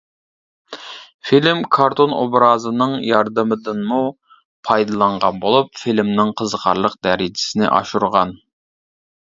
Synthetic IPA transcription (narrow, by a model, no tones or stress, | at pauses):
filɪmkʰɑɾt̪ono̰bɾɑːzɨnɨŋjɑɾd̪ɨmɨd̪ɨnmu | pʰɑjd̪ɨlˠɑɴʁɑnbolˠupfilmnɪŋqʰəzqʰɑ̰ɾlˠəq̚d̪æɾid͡ʒɪ̥sɪnɪ̰ʔɑ̰ʃuɾʁɑn